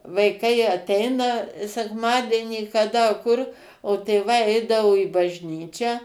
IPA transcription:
ʋɐɪˈkɐɪ ɐˈtʲɛɪnɐ sʲɛkˈmɑːdʲiɛnʲiː kɐˈdɐ kʊr oː tʲeːˈʋɐɪ ˈɛɪdɐʋoː iː bɐʒʲnʲˈiːt͡ʃʲæː

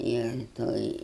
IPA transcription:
ɪr ˈtoːj

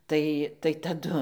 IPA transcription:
ˈtɐɪ tɐɪ tɐˈdʊ

